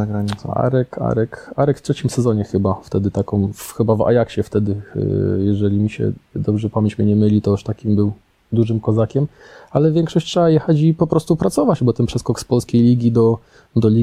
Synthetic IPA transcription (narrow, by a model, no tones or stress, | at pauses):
aɡɾaɲisa̰ɾɛka̰ɾɛkaɾɛkftʂɛt͡ɕimsɛzɔɲɛxɘbaft̪ɛd̪ɘt̪akɔ̃w̃fxɘbava̰jakɕɛft̪ɛd̪ɘ̰jɛʐɛlʲimʲiɕɛ̰d̪ɔbʐɛpamʲjeɲt͡ɕmɘɲɛmɘlʲit̪ɔaʂt̪akʲimbɘw | d̪uʐɘmkɔzakʲɛm | alɛvʲjɛŋkʂɔɕt͡ɕtʂɛbajɛxat͡ɕipɔpɾɔst̪upɾat̪sɔvat͡ɕbɔt̪ɛnpʂɛskɔkspɔlskʲejlʲiɡʲid̪ɔ | d̪ɔlʲi